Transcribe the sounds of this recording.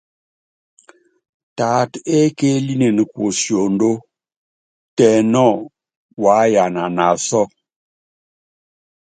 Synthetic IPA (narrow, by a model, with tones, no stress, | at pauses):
ta˨te˦ke˦li˦ne˨ni˨kwo˨sjo˨n˦do˦ | tɛ˨nɔ˦˨ | wa˨˦ja˨na˨na˨sɔ˦